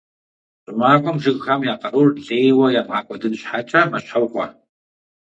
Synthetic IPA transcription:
ɕʼɪmaːkʷʼɔmʒɨɣxɐmjaːqɐrurɮeːjwɐjaːmʁaːkʷʼɔdɨnɕħaːt͡ʃʼɐmɐɕħɐwqʷʼɔ̰

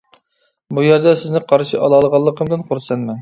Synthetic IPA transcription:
bujɛɾd̪ɛsɪznɪqʰɑɾʃiʔɑlˠɑlˠəʁɑlˠːəqʰəmd̪ɨnqʰʊɾsɛnmɛn

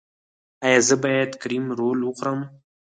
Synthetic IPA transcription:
ajɑzəbɑjad̪kɾimɾolwʊxʊɾəm

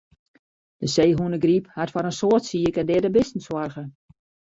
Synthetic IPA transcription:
d̥əseːɦuənəɡriphatfɔɾənsoərtsiəkəndɪːdəbɪstn̩swɔrɣə

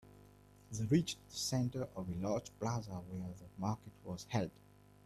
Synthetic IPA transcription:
ðəɹit͡ʃðəsɛ̃ntə˞ʔɔvelad͡ʒblazəwɛðəmaˑkət̚ʰwɔz̥hɛld

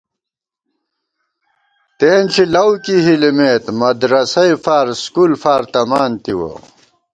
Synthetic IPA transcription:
t̪eːnt͡ɕʰilɐwkiɦilimeːt̪mɐd̪ɾɐsɐifaːɾskulfaːɾt̪ɐmaːnt̪iwo̰

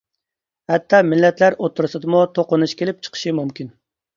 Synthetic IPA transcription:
hɛt̪ʰːɑmɪlːɛt̪læɾot̪ʰːuɾɨsɨd̪ɨmut̪ʰoqʊnuʃkʲelɪp̚t͡ʃʰə̥qʰə̥ʃɪmumkʲin

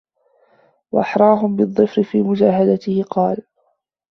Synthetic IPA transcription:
waʔɑħɾˤɑːɦʊmbɪd̪ˤːɨfɾɪfiːmʊd͡ʒaːɦad̪at̪ɪhɪqɑːl

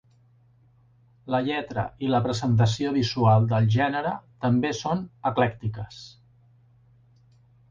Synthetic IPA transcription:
ləʎɛt̪ɾə̰iləpɾəzənt̪̬əsioβizualˠd̪əlˠʒɛnəɾət̪əmbesonəklɛkt̪ikəs

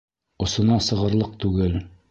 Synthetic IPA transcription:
ŏsŏnɑsɤ̆ʁɤ̆ɾlˠɤq̚t̪ʉɡɘl

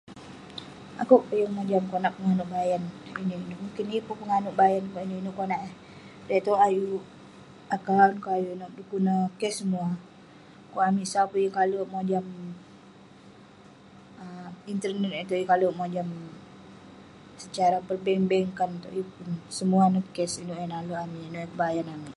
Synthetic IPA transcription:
a̰koʔpəjəŋmod͡ʒamkonaʔpəŋanuʔbajaninoinomuŋkinipupəŋanuʔbajankainoinuʔkonaʔa | dat̪oʔaju | akawnkoajunoʔdupunəkɛsəmua | koamisapujəŋkalomod͡ʒam | əint̪ərnɛt̪et̪oʔjikaloʔmod͡ʒam | sət͡ʃaɾapərbɛmbɛŋkant̪o̰ʔjupunsəmuanəkɛsinuʔɛnaloamiinoɛkəbajanamiʔ

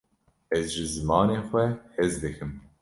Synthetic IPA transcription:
ɛzʒɨzɨmɑːneːxʷɛhezd̪ɨkʰɨm

